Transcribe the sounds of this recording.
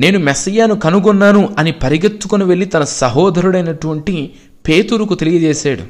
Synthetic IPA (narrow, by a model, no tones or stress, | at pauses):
ne̞ːnumesɐjaːnukɐnuɡɔnːaːnuɐnipɐɾiɡɐt̪ːukoniʋeɭːit̪ɐnɐsɐɦɔːd̪ʱɐɾuɽɐjnɐʈuʋɐɳʈi | pe̞ːt̪uɾukut̪e̞lijɐd͡ʒɛːsaːɽṵ